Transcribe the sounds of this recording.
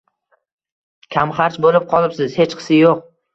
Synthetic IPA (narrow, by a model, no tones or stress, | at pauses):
kʲʰamχaɾt͡ʃbolɪp̚qʰɒlˠɪpsɪz̥he̞t͡ʃqʰɨ̥sɪjoq̚